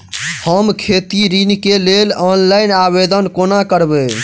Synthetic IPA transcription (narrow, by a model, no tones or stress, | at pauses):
həmkʰet̪iɾinkelelɔnlainabed̪ənkonakəɾbe